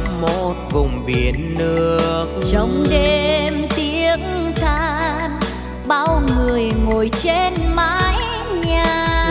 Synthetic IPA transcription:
mo˨˩t̚vʊ˨˩wŋ͡mɓi˨˩ənːɨ˧˩˧əək̚t͡ɕɔ˧˦wŋ͡mɗe˧mt̪i˧˦əŋt̪ʰaː˧n | ɓaː˧wŋɨ˨˩əjŋo˨˩jt͡ɕe˧nmaː˧˦j | ɲaː˨˩

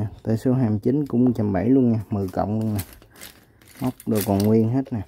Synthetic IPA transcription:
t̪əː˧˩jso˨˦ɦaː˧˩mt͡ɕi˨˦nkʊ̰˧˥ŋ͡mk̚t͡ɕa˧˩mɓa˧˩jlu˧ənɲaː˨˩mɨ˨˩kə̰˧˨wŋ͡mlu˧ənaː˨˩ | mə˦˥wk͡p̚ɗo˨˩kɔ˨˩nŋwi˧ənɦe˦˥t̚naː˨˩

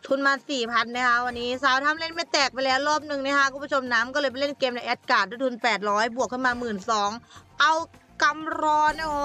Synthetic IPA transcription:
t̪ʰu˧nmaː˧nsiː˨˩pʰa˧nːa˦˥kʰa˦˥ʔwa˧nːiː˦˥saː˦˥wt̪ʰa˧˥˨mle˥˩nma˥˩jt̪ɛː˨˩k̚pa˧jlɛː˦˥wɾɔː˥˩p̚nɯ˨˩ŋna˦˥˩kʰa˦˥ʔʰku˨˩pu˥t͡ɕʰo˧mnaː˦˥mkɔː˥˩lɤː˧jpa˧jle˥˩nkeː˧mna˧jʔɛː˦˥t̪̚kaː˨˩u˧˥˩t̪ʰu˧npɛː˨˩t̪̚ɾɔː˦˥jbu˨˩əkʰːɯ˥˩nmaː˧mɯː˨˩nsɔː˩˦ŋʔa˧wka˧mɾɔː˧na˥˩˧

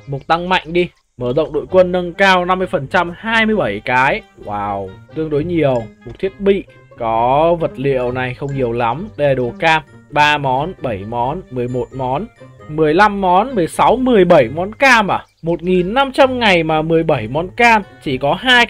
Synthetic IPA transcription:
mo˨˩t̚t̪a˧ŋma̰˧˨jŋ̟ɗi˧ | məː˧˩zə̰˧˨wŋ͡mɗo̰˧˨jkwə˧nːə˧nkaː˧wna˧mːɨ˧əjfə˨˩nt͡ɕa˧mhaː˧jmɨ˧əjɓə˧˩jkaː˨˦jwaː˨˩wt̪ɨ˧əŋɗo˨˦jɲi˨˩əwm˨˩t̪̚ʰi˦˥ət̚ɓḭ˧˨ | kɔ˨˦və˨˩t̚lḭ˧˨əwna˨˩jxə˧wŋ͡mɲi˨˩əwla˨˦mɗe˨˩ɗo˨˩kaː˧mɓaː˧mɔ˨˦nɓə˧˩jmɔ˨˦nmɨ˨˩əjmo˨˩t̚mɔ˨˦nmɨ˨˩əjla˧mːɔ˨˦nmɨ˨˩əjsa˨˦wmɨ˨˩əjɓə˧˩jmɔ˨˦nkaː˧mʔaː˧˩mo˨˩t̚ŋi˨˩nːa˧mt͡ɕa˧mŋa˨˩jmaː˨˩mɨ˨˩əjɓə˧˩jmɔ˨˦nkaː˧mt͡ɕi˧˩kɔ˨˦ɦaː˧j

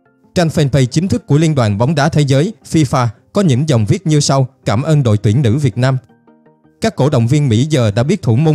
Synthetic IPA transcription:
t͡ɕa˧jn̟fɛ˧npə˧jt͡ɕi˨˦ŋ̟t̪ʰɨ˦˥kːu˧˩əi˧ənɗwa̰ː˨˩nɓa˨˦wŋ͡mɗaː˨˦t̪ʰe˨˦zəː˨˦jfi˧faː˧kɔ˨˦ɲɨ̰˧˥ŋzə˨˩wŋ͡mvi˦˥ət̚ɲɨ˧sa˧wkaː˧˩mʔəː˧nɗo̰˧˨jt̪wi˧˩ənnɨ̰˧˥vi˨˩ət̚naː˧m | kaː˦˥kːo̰˧˥˩ɗə̰˧˨wŋ͡mvi˧ənmḭ˧˥zəː˨˩ɗa̰ː˧˥ɓi˦˥ət̪ʰu˧˩mo˧

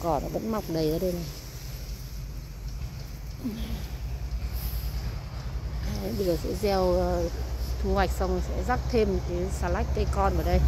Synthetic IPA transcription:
kɔ˨˩nɔ˨˦və̰˧˥nma˨˩wk͡p̚ɗə˧˩jʔəː˨˦ɗə˧jna˨˩j | a˨˦ɓə˧jzəː˨˩sɛ̰˧˥zɛ˧wt̪ʰu˧wa˨˩jk̚sa˧wŋ͡msɛ̰˧˥zaː˦˥k̚t̪ʰe˧m˨˩kaː˨˦saː˧la˦˥jk̟̚t̪e˨˧kɔ˧nʔəː˨˩ɗə˧j

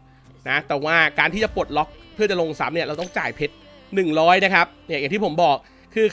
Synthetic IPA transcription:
na˦˥t̪ɛː˨˩waː˥˩kaː˧t̪ʰiː˥˩t͡ɕa˨˩po˨˩t̪̚lɔ˦˥k̚pʰɯ˥˩ɐt͡ɕa˨˩lo˧ŋsa˩˦mni˥˩ɐɾa˧wt̪ɔ˥˩ŋt͡ɕaː˨˩jpʰe˦˥t̪̚ | nɯ˨˩ŋɾɔː˦˥jna˦˥kʰa˦˥p̚ni˦˥˩jŋt̪ʰi˥˩o˩˦mbɔː˨˩k̚ | kʰːɯː˧

